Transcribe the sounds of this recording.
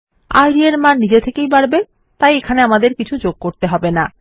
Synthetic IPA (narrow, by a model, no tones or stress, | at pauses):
a̰jɾieɾmanid͡ʑet̪ʰekejbaɾbe | t̪ajekʰaneamad̪eɾkit͡ɕʰud͡ʑoɡ̚koɾt̪eɦɔbena